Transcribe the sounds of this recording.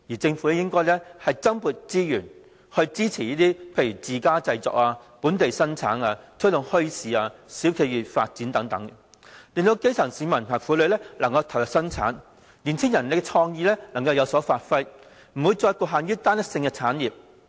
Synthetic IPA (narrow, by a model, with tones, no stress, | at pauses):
jiː˨˩t͡sɪ˧ŋfu˨˥lɛ˥jɪ˥ŋkɔː˥jlɛː˥hɐ˨jt͡sɐ˥mpuː˨˩t̚t͡siː˥jyː˨˩n | hɵ˧ɥt͡siː˥t͡sʰiː˨˩iː˥t̪iː˥pʰe˧jy˨˩t͡siː˨kaː˥t͡sɐ˧jt͡sɔ̰ː˨˥k̚aː˧puː˨˥nt̪e˨jsɐ˥nt͡sʰaː˨˥naː˧t͡sʰɵ˥t̪ʊ˨ŋhɵ˥ɥsiː˨aː˧siː˨˥wkʰe˨˧jɥyː˨t̚fa̰ː˧t̚t͡si˨˥nt̪ɐ˨˥ŋt̪ɐ˨˥ŋ | li˨˧ŋt̪o˧wke˥jt͡sʰɐ˨˩ŋsiː˨˧mɐ˨˩npʰaː˨˩ŋfuː˨˥lɵ˨˧ɥlɛː˥lɐ˨˩ŋkɐ˧wt̪ʰɐ˨˩wjksɐ˥nt͡sʰa̰ː˨˥n | liː˨˩nt͡sʰɪ˥ŋjɐ˨˩nle˨˧kɛ˧t͡sʰɔː˧ŋjiː˧lɛː˥lɐ˨˩ŋkɐ˧wjɐ˨˧wsɔː˨˥faː˧t̚fɐ˥j | m̩˨˩wuː˨˧jt͡sɔː˧jkuː˧˩ɦaː˨njyː˥t̪aː˥nɐ˥k̚sɪ˧ŋkɛ˧t͡sʰaː˨˥njiː˨p̚